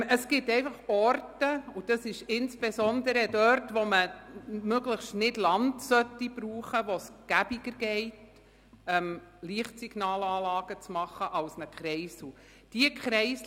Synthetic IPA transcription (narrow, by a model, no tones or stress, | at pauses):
əsɡ̥ɪtɛɪfɑχɔrtəʊd̥ɑsɪʃɪnsb̥esɔnd̪əɾədœɾtʋoməmøɡləχʃtnɪdlɑndsœtːib̥ɾuːχəʋosɡ̥æb̥iɡəɾɡɛɪt | ɛmliəχtsiɡ̥nɑːlɑːlɑːɡ̥ət͡smɑχəʔɑlsnəkχɾɛɪsu | d̥iəkχɾɛɪs